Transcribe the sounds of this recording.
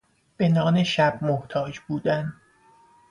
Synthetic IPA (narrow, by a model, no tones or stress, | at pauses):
b̥enɒːneʃæb̥̚moht̪ʰɒːd͡ʒbuːd̪æn